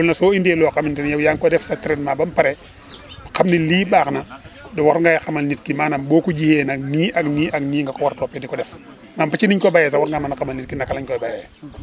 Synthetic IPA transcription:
ulnasoːindielokamintɛnjawjaŋkɔdɛfsatiɾɛtmabampaɾɛ | kamniliːbaːknadɔwaɾŋɡajxamalnitkimaːnaboːkud͡ʒihenakniːʔakniːʔakniːŋɡakɔwaɾtopɛdikɔdɛf | mampat͡ʃiniɲkɔbajes̬awaɾŋɡamanakamalnitkinakalaɲkɔbajɛ

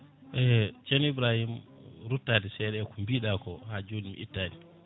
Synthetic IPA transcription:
ʔɛt͡ʃɛnibɾahimɾutːaːdɛsɛɗɛkumbiːɗakɔhad͡ʒoːdimʔḭtːaːdi

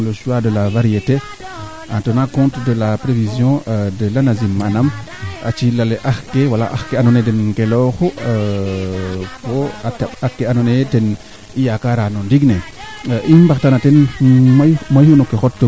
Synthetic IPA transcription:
loʃuadəlavaɾijete | ãntonakɔ̃ntdəlapɾevizjɔ̃dəlanazimːanam | at͡ʃilaleʔaxkewala̰ʔaxkeanonedenkeloxo | koatabakːeanoneten | ijakaɾanondiɡneʔimbaktanatenmamajhunokːexotːə

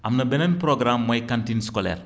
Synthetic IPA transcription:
ʔɐmnɐbɛnɛnpɾoɡɾamːɔjkantinskɔlɛ̰r

